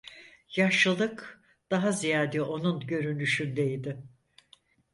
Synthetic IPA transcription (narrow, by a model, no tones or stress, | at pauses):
jaʃɯlˠɯk | d̪̥aɦazijaːd̪ɛʔo̞nunɟø̞ɾynyʃynd̪ejid̪ɪ